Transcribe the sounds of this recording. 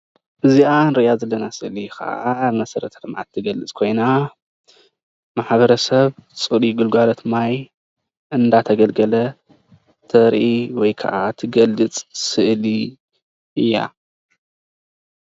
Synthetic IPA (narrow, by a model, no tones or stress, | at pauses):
ʔɨzianɾɨʔjazɐlːɐnasɨʔlikʰa̰ʔamɐsɐɾɐt̪ʰɐɾmʕa̰t̪ʰːɨɡɐlɨt͡sʼkʰo̞jna | maħbɐɾɐsɐβt͡sʼɨɾiɡɨlɡalot̪maj | ʔɨnd̪at̪ʰɐɡɐlɡɐlɐ | t̪ʰɐɾʔiwɔjkʰa̰ʔat̪ʰɨɡɐlːɨt͡sʼsɨʔli | ɨjːa̰